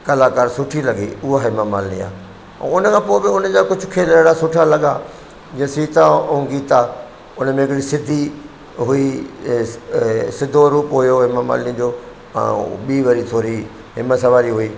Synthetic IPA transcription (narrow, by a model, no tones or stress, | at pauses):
kɐlaːkaːɾsʊʈʰilɐɠḭʊɦaɦɪmamaːlnia̰ː | ɛ̰̃ʊnəkʰãːpoːɪbɪʊnəd͡ʑakʊd͡ʑʱʊkʰeːləɪɽasʊʈʰalɐɠa | d͡ʑĩẽsiːt̪aɐũɡiːt̪aː | ʊnəmẽɪkɪɽisɪd̪ʱi | ɦʊi | sɪd̪ʱoɾuːpɦʊjoɦɪmama̰ːlnĩd͡ʑõ̰ː | ɓiːʋɐɾit̪ʰoːɾi | ɦɪməsɐʋaːɾiɦʊiː